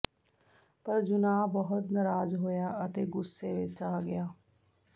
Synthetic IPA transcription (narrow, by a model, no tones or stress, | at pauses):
pəɾd͡ʒʊnaːbəɦʊt̪nəɾaːzɦoːjaːət̪eːɡʊsːeːʋɪt͡ʃaːɡɪjaː